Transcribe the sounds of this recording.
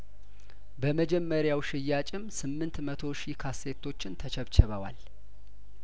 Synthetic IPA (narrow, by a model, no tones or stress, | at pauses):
bəməd͡ʒɛmːəɾjawʃɪjːat͡ʃʼɪmsɨmːɨnt̪mət̪ʰo̞ʃikʰase̞t̪ʰːo̞t͡ʃːɪnt̪ʰət͡ʃʰɛβt͡ʃʰɛβəwa̰l